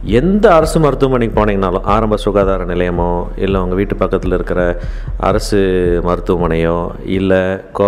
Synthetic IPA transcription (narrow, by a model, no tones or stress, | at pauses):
ɛnd̪ɐɐɾɐsɯmɐɾɯt̪ːɯʋɐmɐnɪkːpoːneːŋɡɐnaːlɔ̃ʔaːɾɐmbɐsʊɣaːðaːɾɐnɪlɐjɐmõː | ɪ̰lːɐɐŋɡɐʋiːʈːɯpɐkːɐt̪ːɪlɪɾɯkːɪɾɐ | ɐ̰ɾɐsɯmɐɾɯt̪ːɯʋɐmɐnɐjõː | ɪlːɐko